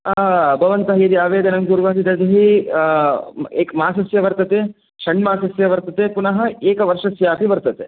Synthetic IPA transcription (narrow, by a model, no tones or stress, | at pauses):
bʱɐʋɐnt̪ɐɦɐjɐd̪iaːʋeːd̪ɐnɐŋkuːɾʋaːt̪id̪ɐd͡ʒ̪ɐɦi | eːkmaːsɐsjɐʋɐɾt̪ɐt̪eː | ʃɐɳmaːsɐsjɐʋɐɾt̪ɐt̪epunɐɦɐ̆eːkɐʋɐɾʂɐsjaːpiʋɐɾt̪ɐt̪e